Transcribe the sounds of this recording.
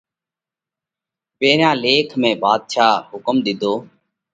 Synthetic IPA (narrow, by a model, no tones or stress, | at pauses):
peːɾjãːleːkʰmẽːbaːd̪ʃaːɦʊkəmd̪ɪd̪ʱoː